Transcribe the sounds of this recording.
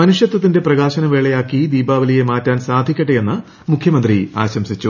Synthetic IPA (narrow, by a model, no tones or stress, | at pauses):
mɐnuʂjɐt̪wɐt̪ːinde̞prɐɣaːɕɐnɐʋeːɭejaːkːid̪iːbaːʋɐlije̞maːtːaːnsaːd̪ʱikʲːɐʈːeje̞nːɨ | mukʰjɐmɐnd̪ria̰ːɕɐmsit͡ɕːu